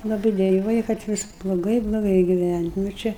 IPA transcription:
lˠɐˈbɨɪ dʲɛˈjuɔjɛ kɐt ˈʋʲɪs blˠoːˈɡɐɪ blˠoːˈɡɐɪ ɡʲɪˈʋʲænʲtʲ nʊ ˈt͡ʃʲɛ

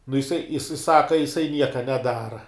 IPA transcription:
nʊ jɪˈsɐɪ jɪˈsɐɪ ˈsɑːkɐ jɪˈsɐɪ ˈnʲiɛkɐ nʲɛˈdɑːrɐ

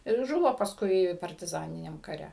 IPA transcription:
ɪr ˈʒʊʋoː pɐsˈkʊɪ pɐrʲtʲɪˈzɑːnʲɪnʲɛm kɐˈrʲɛ

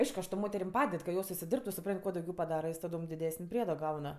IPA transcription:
ˈɐɪʃkʊ ɐʃ toːm ˈmoːtʲɛrʲɪm ˈpɑːdʲɛt kɐ ˈjoːs ʊʃʲsʲɪˈdʲɪrptʊ sʊˈprɐnʲtʲ ˈkuɔ dɐʊˈɡʲɛʊ pɐˈdɑːrɐ ˈjoːs tɐˈdoːm dʲɪˈdʲæːsənʲ ˈpʲrʲiɛdoː ˈɡɐʊn

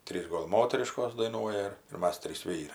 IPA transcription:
ˈtʲrʲiːs ˈɡoːlˠ ˈmoːtʲɛrʲɪʃkoːs dɐɪˈnuɔjɛ ɪr ɪr ˈmɐs ˈtʲrʲiːs ˈʋʲiːrɐɪ

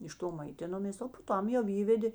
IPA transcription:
ɪʃ ˈtoː mɐɪˈtʲɪnoːmʲeːs oː poː ˈtɐm jɛʊ ˈiːʋʲɛdʲeː

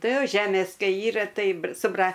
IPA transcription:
ˈtɐɪ ˈjoː ˈʒʲæːmʲeːs ˈkɐɪ ˈiːrɐ ˈtɐɪ br sʊ ˈbrɐ

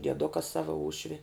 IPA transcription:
dʲiɛˈdʊkɐ ˈsɑːʋɐ ˈuːʃʲʋʲɪ

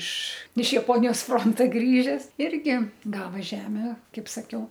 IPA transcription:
ɪʃ ɪʃ jɛˈpoːnʲɪjoːs ˈfroːntɐ ˈɡrʲiːʒʲɛs ˈɪrʲɡʲɪ ˈɡɑːʋɐ ˈʒʲæːmʲɛ ˈkɐɪp sɐˈkʲɛʊ

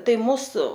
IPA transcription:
ˈtɐɪ ˈmuːsʊ

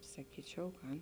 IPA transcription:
sɐˈkʲiːt͡ʃʲɛʊ ˈɡɐn

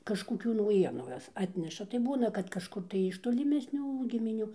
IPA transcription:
kɐʃkoːˈkʲuː nɐʊˈjiɛnʊʊ ˈjoːs ˈɑːtʲnʲɛʃɐ tɐɪ ˈbuːnɐ kɐt kɐʃˈkʊr tɐɪ ɪʃ toːlʲɪˈmʲæːsʲnʲuː ɡʲɪmʲɪˈnʲuː

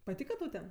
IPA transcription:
pɐˈtʲiːkɐ tɐʊ ˈtʲɛn

